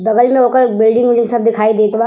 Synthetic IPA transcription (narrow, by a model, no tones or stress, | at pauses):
bɐɡəlmẽɦoːkəɾbɪlɖɪ̃ŋʊd͡ʒẽŋsɐb̚d̪ɪkʰaːid̪eːt̪ba